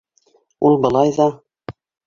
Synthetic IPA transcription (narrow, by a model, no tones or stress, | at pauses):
ulˠbɤ̆lˠɑjðɑ